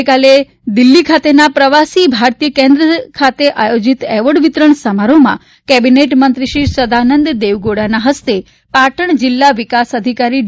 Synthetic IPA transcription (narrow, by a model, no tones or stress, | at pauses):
kale | d̪ilːikʰat̪enapɾəʋasibʱaɾt̪ijəkẽnd̪ɾəkʰat̪eʔajod͡ʒit̪ɛʋəɽʋit̪ɾəɳsəmaɾomã̰ | kɛbineʈmənt̪ɾiʃisəd̪anənd̪d̪eʋɡoɽanaɦəst̪e | paʈəɳ̃d͡ʒɪlːaʋikasəd̪ʱikaɾi